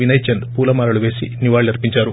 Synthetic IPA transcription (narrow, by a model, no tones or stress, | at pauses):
ʋinɐjt͡ʃɐnd̪puːlɐmaːɾɐluʋeːsiniʋaːɭːɐɾpiɲt͡ʃaːɾu